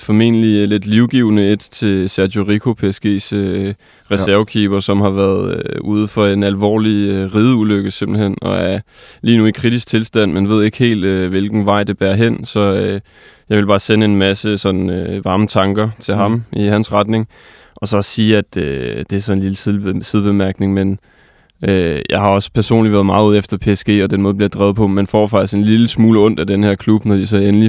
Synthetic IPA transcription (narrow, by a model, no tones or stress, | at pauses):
fɒ̽me̝̰ːnəlile̝d̥liʊɡ̥iʊnəed̥t͡sʰe̝sæɐdo̝ʁikʰo̝pʰesɡ̥e̝̰ːsø | ʁɛsæɐkʰḭːb̥ɐsɒ̽mhɑ̈ʋæːɐðˠøuð̞ˠfɒ̽e̝nælʋɒ̰ːliʁiːð̞ˠuløɡ̥əse̝mb̥l̩ɦen̰ɒ̰̽æɐ | liːnuikʰʁid̥isɡ̥̚t͡sʰe̝lsd̥æn̰menʋe̝ð̞̰ˠe̝ɡ̥he̝̰ːld̥øʋe̝lɡ̥n̩ʋɑ̈ɪ̰d̥e̝b̥æːɐɦen̰sɒ̽ | jɑ̈ɪʋe̝lbɑ̈ːsenəe̝nmæsəsɒ̽nøʋɑ̈ːmət͡sʰɑ̈ŋɡ̥ɐt͡sʰe̝lɦɑ̈mihænsʁɑd̥ne̝ŋ | ʔɒ̽sɒ̽ssiːæd̥ød̥e̝æɐsɒ̽e̝nliləssið̞ˠb̥e̝mæɐɡ̥ne̝ŋmen | øjɑ̈ɪɦɑ̈ɒ̽spʰæɐso̝̰ːnliʋæɐð̩ˠmɑ̈ːð̩ˠuð̰ˠefd̥ɐpʰe̝esɡ̥e̝̰ːɒ̽d̥en̰mɔːðˠblid̥ʁɛːðˠpʰɒ̽menfɒ̰ːfɑ̈ɡ̥̚d̥isɡ̥e̝nliləsmuːləɔ̽n̰d̥æd̥enəheɐ̰kʰlub̥nɒd̥isɒenəli